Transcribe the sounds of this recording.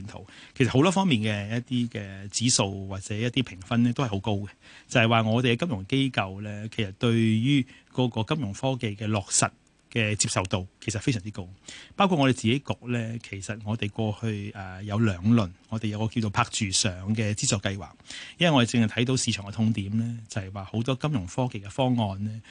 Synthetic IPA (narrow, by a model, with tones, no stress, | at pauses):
nt̪ʰo̰˨˩wkʰe˨˩st̚ho˨˥wt̪ɔː˥fɔː˥ŋmiː˨nkɛː˧jɐ˥t̚t̪iː˥kɛː˧t͡siː˨˥so˨˧wwaː˨t̚t͡sɛː˨˦jɐ˥t̪ːiː˥pʰɪ˨˩ŋfɐ˥nɛː˥t̪o˥whjho˨˧˥wko˥wɡɛ˨ | t͡sɐ˨hɐ˨jwaː˨ŋɔː˨˧t̪e˨ɛː˧kɐ˥mjʊ˨˩ŋke˥jkɐ˨˧wlɛː˥kʰe˨˩jsɐ˨˩t̚t̪ɵ˧ɥjyː˥kɔː˨˧kɔː˧kɐ˥mjʊ˨˩ŋfɔː˥ke˨jkɛː˧lɔː˨k̚sɐ˨t̚ | kɛː˧t͡siː˧psɐ˨wt̪o˨wkʰe˨˩sɐ˨tfe˥js̬œː˨˩t͡si˥ko˥wpaː˥kʰu˧t̚ŋɔ˧t̪e˨jt͡siː˨ke˨˥jkɔː˨˧k̚lɛː˥kʰe˨˩jsɐ˨t̚ŋɔː˨˧t̪e˨jkʷɔː˧hɵ˧ɥɛː˨jɐ˨˧wlœː˨ŋlɵ˨nŋɔː˨˧e˨jɐ˨˧wkɔː˧ki˧wt͡so˨˧wpʰaː˧k̚t͡ʃyː˨˩sœː˨ŋkɛː˧t͡siː˥t͡sɔː˨˧kːɐ˧jwaː˨k̚jɐ˥wɐ˨˩ŋɔ˧e˨jt͡sɪ˨ŋhjt̪ʰɐ˨˥jt̪o˨˧wsiː˨˧t͡ʃʰœː˨˩ŋɛ˧t̪ʰʊ˧ŋt̪iː˨˥mlɛː˥t͡sɐ˨hɐ˨˩jwaː˨ho˨˥wt̪̬ɔː˥kɐ˥mjʊ˨˩ŋfɔː˥ke˨jkɛ˧fɔː˥ŋɔː˧nlɛː˥